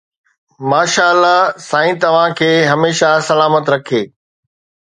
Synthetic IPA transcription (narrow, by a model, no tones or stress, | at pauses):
maːʃaːəlːasaːĩt̪ɐʋ̤ãkʰeːɦɐmeːʃasɐlaːmət̪ɾɐkʰeː